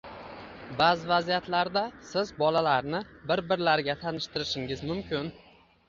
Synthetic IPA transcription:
bazɪvazijat̪laɾd̪asɪzbɒlalaɾnɪbɪɾbɪɾlaɾɡʲat̪ʰanɪʃt̪ɪɾɪʃɪŋʲɪzmʊmkʲʰɪn

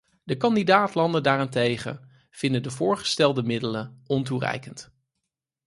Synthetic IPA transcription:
dəkɑndidaːtlɑndəndaːrɛntejχə̰ | v̥ɪndədəvʊːɹχə̥stɛlˠdəmɪdələnɔnturɛ̰jkənt

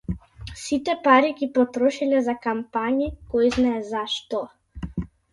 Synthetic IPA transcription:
sit̪ɛpaɾiɡipɔt̪ɾɔʃilɛzakampaɲikɔjznaɛzaʃt̪ɔ

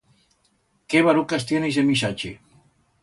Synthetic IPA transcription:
keβaɾukas̬t̪jenesemis̬at͡ʃḛ

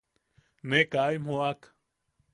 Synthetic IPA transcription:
nekaːjm̤oak

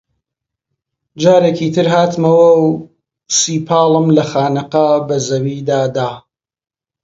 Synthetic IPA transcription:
d͡ʒaːɾekiːt̪ʰɨɾɦaːt̪mɐwɐw | siːpʰaːlˠəmlɐxaːnɨqɐbɐzɐwiːd̪aːd̪aː

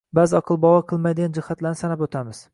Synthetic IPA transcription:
bazɒqʰɨlˠbɒwaqʰɨlˠmajd̪ɪɡʲand͡ʒɪhat̪laɾnɪsanapot̪ʰamɪz̥

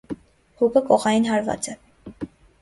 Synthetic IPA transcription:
hukəkɔʁɑjinɦɑɾvɑ̰t͡sɛ

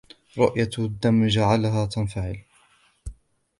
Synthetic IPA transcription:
ɾˤʊʔjad̪ːamːd͡ʒaʕalɦaːt̪anfaʕɪ̰l

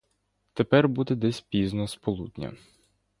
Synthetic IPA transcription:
t̪epɛrbud̪ɛd̪ɛsʲpʲiznɔspɔlˠud̪ʲnʲɐ̰

